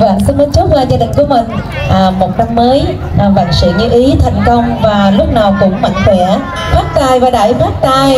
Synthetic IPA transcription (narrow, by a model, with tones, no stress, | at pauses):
va̰ː˧˨ŋsi˧nmə˧˦nt͡ɕʊ˦˥k͡p̚waː˧˩zaː˧ɗï˨˩ŋ̟ku˧˩əmï˨˩ŋ̟ | ʔːmo˨˩t̚na˧mːəː˨˦j | va̰˧˨˩ŋsḭ˧˨ɲɨ˧ʔi˨˦t̪ʰa˨˩jŋ̟kə˧wŋ͡mvaː˨˩lʊ˦˥k͡p̚naː˨˩wkʊ̰˧˥ŋ͡mma̰˧˨jŋ̟kwɛ˧˩˥ | faː˦˥p̚t̪aː˧˩jvaː˨˩ɗa̰ː˧˩jfaː˦˥p̚t̪aː˧j